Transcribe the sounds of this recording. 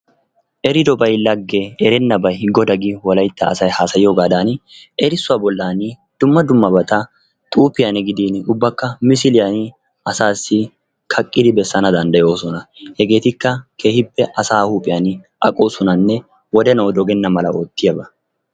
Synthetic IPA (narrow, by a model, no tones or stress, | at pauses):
ʔɛɾɪd̪ɔbɐjlɐɡːɛɛɾɛnːɐbɐjhɪɡːɔd̪ɐɡɪwɔlɐjt̪ːɐːsɐjhaːsɐjjoːɡaːd̪aːnʔɛɾɪsːʊaːbɔlːaːnɪ | d̪̥ʊmːɐd̪ʊmːɐbɐt̪ɐ | t̪ʼuːpːɪjɐnɪɡɪd̪iːnʊbːɐkːɐmɪs̬ɪlɪjɐnɪ | ɐsaːsːɪ | kʰɐkʼːɪd̪ɪbɛsːɐnɐd̪ɐnd̪ɐjo̞ːsɔnɐhɛɡe̞ːt̪ɪkːɐkʰeːhɪpːɛʔɐsaːhuːpʼɪjɐnɪ | ʔɐ̰kʼoːsɔnɐnːɛ | wɔd̪ɛnɐwd̪ɔɡɛnːɐmɐlɐo̞ːt̪ːɪjɐbɐ